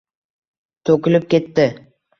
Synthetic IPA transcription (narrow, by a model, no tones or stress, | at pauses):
t̪ʰɵkʲɪlɪp̚kʲe̞t̪ːɪ